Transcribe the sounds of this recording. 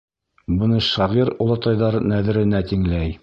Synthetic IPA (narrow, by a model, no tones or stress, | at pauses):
bɤ̆nɤʃɑʁiɾulˠɑt̪ɑjðɑɾnæðɘ̆ɾɘ̆næt̪iŋlæj